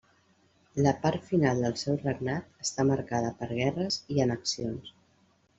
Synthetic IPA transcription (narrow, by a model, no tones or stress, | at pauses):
ləpaɾt̪finalˠd̪əlˠsɛwrəɡnat̪̚əst̪aməɾkað̞əpəɾɣ̞ɛrəziənəksions